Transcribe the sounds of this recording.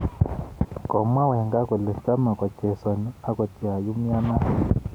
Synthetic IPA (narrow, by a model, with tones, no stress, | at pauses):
kɔ˨ma˦wɛ˨ŋɡa˦kɔ˨lɛ˨t͡ʃa˦ma˨kwa˨t͡ʃɛ˨sa˨ni˦a˦kɔ˨ti˨a˨ju˦m̩˦a˦na˦˨